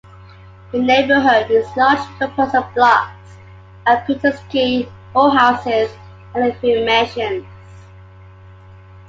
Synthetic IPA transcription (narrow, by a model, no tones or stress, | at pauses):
ðəneɪbəɦʊd̚wɪzlɑd͡ʒpʰəpʰəsəvblɑks | əpʰitəskʰi | ɔɦaʊsɪz | ə̃nəfimeʃə̃nz